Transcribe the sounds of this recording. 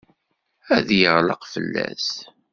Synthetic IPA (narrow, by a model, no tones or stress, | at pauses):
æðjəʁləqfəlːæ̰s